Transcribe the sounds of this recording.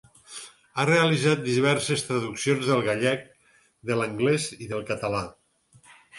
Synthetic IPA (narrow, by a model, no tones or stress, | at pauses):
areəlizat̪̚d̪iβ̞ɛɾsest̪ɾəðuksionzðəlˠɣaʎɛk̚ | d̪ələŋɡlɛziðəlˠkət̪əla